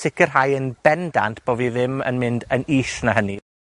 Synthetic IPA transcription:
sɪkʰərɦajənb̥ɛnda̰ntʰb̥oːviðɪmə̰nmɪndəniːʃnəɦəni

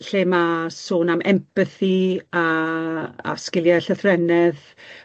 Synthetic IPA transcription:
ɬeːmasoːnamɛmpʰəθia | a̰skɪlˠjaɬəθrɛnɛð

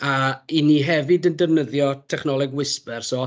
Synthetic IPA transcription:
ainiɦɛvɨdəndɛvnəðjɔtʰɛχnɔlˠɛɡwɪspɛrsɔ

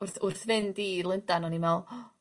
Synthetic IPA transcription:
ʊrθʊrθvɪndiːlˠɪndanɔnimɛlˠ

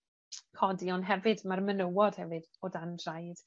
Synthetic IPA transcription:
kʰɔdiɔnɦɛvɨdmarmənəwɔd̥hɛvɨd | odandrajd̥

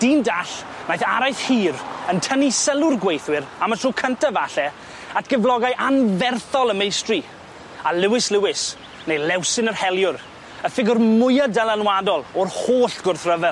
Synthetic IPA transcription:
d̥iːndaɬ | majθaɾajθhiːɾəntʰənisəlˠʊrɡwejθwɪɾamətʰrukʰəntʰavaɬɛ | atʰɡ̥ɛvlˠɔɡajʔanvɛrθɔlˠəmejstri | alɪwɪslɪwɪs | nejlɛwsɪnərhɛlˠjʊr | əfɪɡʊrmʊjadɛlˠanwadɔlˠɔrhoːɬɡ̥ʊrθrəvɛlˠ

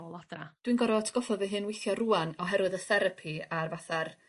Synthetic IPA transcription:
lˠadra̰d̥winɡɔɾɔtʰɡ̥ɔfɔðvɨɦɨnwejθjɔruːanɔɦɛɾwɨðəθɛɾəpʰiarvaθar

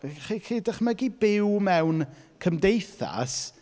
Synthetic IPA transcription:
χiχiːdəχməɡibɪwmɛwnkʰəmdejθa̰s

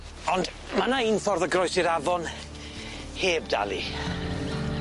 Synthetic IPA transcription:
ɔnd | manainθɔrðəɡrɔjsɪɾavɔn | heːbda̰lˠi

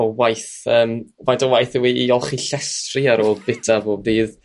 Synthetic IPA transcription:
ɔwajθəːmvadɔwajθɪwiːɔlˠχiɬɛstrɪaɾoːlˠbɪtʰavoːbiːð

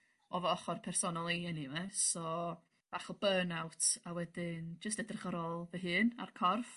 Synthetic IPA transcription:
ɔvɔɔχɔrpʰɛrsɔnɔlˠiɛnimɛsɔ | v̥aχɔbənawtʰawɛdɪnd͡ʒəstɛdrəχɔɾɔlˠvəɦɨːna̰rkʰɔrf

